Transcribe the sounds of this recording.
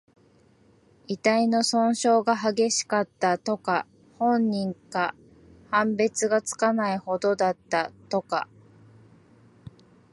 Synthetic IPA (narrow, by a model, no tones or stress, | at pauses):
it̪aino̞sõ̞ɰ̃ɕo̞ːɡaɦaɡe̞ɕi̥kat̪ːat̪o̞ka | hõ̞ɲɲːĩŋka | hãmbe̞t͡sɨɡat͡sɨ̥kanaiho̞d̪o̞d̪at̪ːat̪o̞ka̰